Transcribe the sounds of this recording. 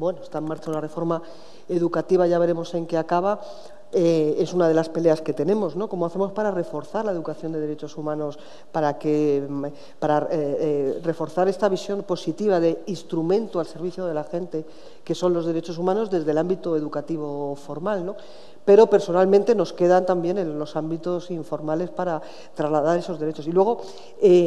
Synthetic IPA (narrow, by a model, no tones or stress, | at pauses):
bwe̞noest̪ae̞maɾt͡ʃaunare̞fo̞ɾma | eðukat̪iβaʝaβ̞e̞ɾe̞mo̞se̞ŋkeakaβ̞a | ee̞sunaðe̞laspe̞le̞aske̞t̪e̞nẽ̞mo̞zno̞ko̞moaθe̞mo̞spaɾare̞fo̞ɾθaɾlae̞ð̞ukaθjo̞nd̪e̞ðeɾe̞t͡ʃo̞sumãno̞s | paɾake | paɾa | re̞fo̞ɾθaɾe̞st̪aβ̞isjo̞mpo̞sit̪iβ̞aðe̞inst̪ɾumẽ̞nt̪ualse̞ɾβ̞iθjoð̞e̞laxe̞nt̪e̞ | ke̞so̞nlo̞zðe̞ɾe̞t͡ʃo̞sumãno̞zðe̞zðe̞lambit̪oe̞ðukat̪iβ̞o̞fo̞ɾmalno̞ | pe̞ɾo̞pe̞ɾso̞nalmẽnt̪e̞no̞ske̞ðant̪ambje̞nẽ̞nlo̞sambit̪o̞siɱfo̞ɾmale̞spaɾa | t̪ɾazlaðaɾe̞so̞zðe̞ɾe̞t͡ʃo̞silwe̞ɣ̞o̞ | e